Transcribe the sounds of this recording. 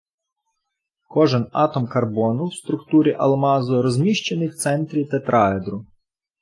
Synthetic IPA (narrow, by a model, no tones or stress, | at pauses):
kɔʒɪnɑ̰t̪ɔmkɐrbɔnʊwst̪ɾʊkt̪uɾʲiʔɐ̰lˠmɑzɔɾɔzʲmʲiʃt͡ʃenɪjwt̪sɛnt̪ɾʲit̪ɐt̪ɾʔɑed̪ɾʊ